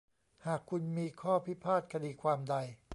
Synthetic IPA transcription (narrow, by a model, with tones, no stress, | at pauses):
haː˨˩kʰːu˧nmiː˧kʰɔː˥˩pʰi˦˥pʰaː˥˩t̪̚kʰa˧diː˧kʰwaː˧mda˧j